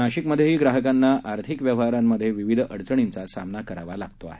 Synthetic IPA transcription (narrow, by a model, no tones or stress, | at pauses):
aɕikməd̪ʱːjeɦiːɡɾaɦəkanːaʔaɾt̪ʰikʋjəʋɦaɾamːəd̪ʱːjeʋiʋid̪ʱəɽt͡səɳ̃int͡sasa̰mnakəɾaʋalaɡ̚t̪oa̰ɦe